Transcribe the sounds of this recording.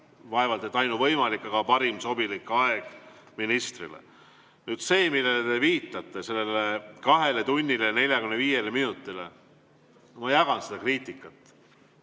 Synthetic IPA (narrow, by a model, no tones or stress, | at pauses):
vɑevɑld̪et̪ːˑɑjnuvɤjmɑlikːˑɑkɑpɑɾimso̞bilikːɑe̞ɡ̥ | minist̪rḭlḛ | nyd̪̥se̞ːmilːelet̪e̞viːt̪ːˑɑt̪ːˑe̞se̞lːe̞lekɑɦe̞let̪unʲːilene̞lʲjɑkymneviːje̞leminut̪ːˑile̞̰ | mɑjækɑnsed̪ɑkriːt̪ʲːˑikːˑɑt̪ːˑ